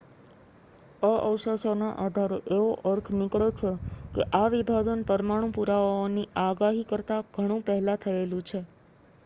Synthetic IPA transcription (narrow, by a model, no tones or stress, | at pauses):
əʔəwʃəsona̰ʔad̪ʱaɾoʔeʋoʔəɾt̪ʰnɪkɭot͡ʃʰekḛʔaʋib̪ʱad͡ʒənpəɾmaɽ̃ũpuɾaʋaoniaɡaɦikəɾt̪aɡʱəɽ̃ũpəɦlat̪ʰəelũt͡ʃʰe